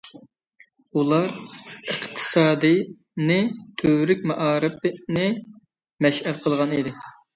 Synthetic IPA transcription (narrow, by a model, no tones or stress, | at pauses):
ulˠɑɾəqt̪ʰɨ̥sɑːd̪ɨ | nɪt̪ʰøɾɪk̚ʲmɑʔɑːɾɨp̚ɪnɪ | mɛʃhælqʰəlˠʁɑnid̪ɪ